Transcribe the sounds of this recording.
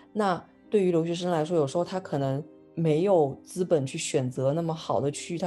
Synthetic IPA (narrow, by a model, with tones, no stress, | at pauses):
na˥˩ | t̪we˥˩ɪy˧˥ljo˧˥ɕ̬ɥɛ˧˥ʂ̬ə˥ŋla˧˥ɪʂwɔ˥jo˨˩ʂɻ̩˧˥xt̪ʰa˥kʰɤ˨˩nɤ˧˥ŋ | me˧˥ɪjo˨˩ʊt͡sɹ̩˥pə˨˩nt͡ɕʰy˥˩ɕɥɛ˨˩nt͡sɤ˧˥na˥˩mə˩xɑ˨˩ʊd̪ə˦t͡ɕʰy˥˩t̪ʰ